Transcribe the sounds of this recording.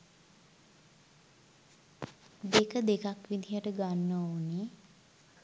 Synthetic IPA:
d̪ekəd̪ekakʋid̪ʱijəʈəɡanːəoːne

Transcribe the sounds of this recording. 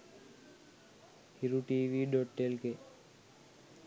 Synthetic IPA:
hiɾuʈiːʋiɖɔʈːelke

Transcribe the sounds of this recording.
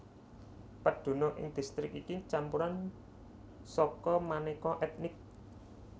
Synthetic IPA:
pəɖ̪̥o̤nɔʔɪ̰ŋd̪̥i̤st̪ɾɪkikit͡ʃampuɾan | sɔkɔmanekɔʔɛt̪̚nɪk̚

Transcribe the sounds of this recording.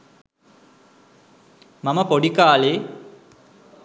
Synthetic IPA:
maməpoɖikaːleː

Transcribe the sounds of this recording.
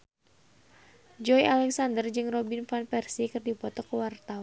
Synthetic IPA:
d͡ʒɔialɛksandərd͡ʒɨŋrɔbinfanpɛrsikɨrdipɔt̪ɔkəwart̪awa

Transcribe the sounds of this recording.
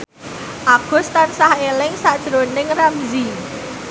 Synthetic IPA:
ʔaɡ̥ʊ̤st̪ansahelɪŋsaʔd̥ʒ̥ɾonɪŋramzi

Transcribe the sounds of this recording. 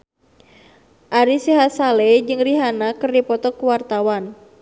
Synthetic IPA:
ʔaɾisiɦasaled͡ʒɨŋriɦanakɨrdipɔt̪ɔkuwart̪awan

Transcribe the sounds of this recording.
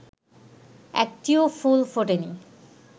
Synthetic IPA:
ɛ̰k̚ʈiofulfoʈenḭ

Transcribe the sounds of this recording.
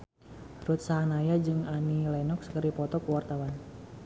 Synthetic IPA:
t̪ɾut̪̚saɦanajad͡ʒɨŋanilajnɔkskəɾipɔt̪ɔkuwart̪awan

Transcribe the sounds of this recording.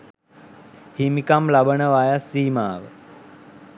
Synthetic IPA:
himikamlabənəʋajasːiːmaːʋə̰

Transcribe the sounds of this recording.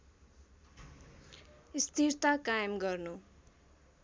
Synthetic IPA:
ist̪irt̪akajʌmɡʌrnu

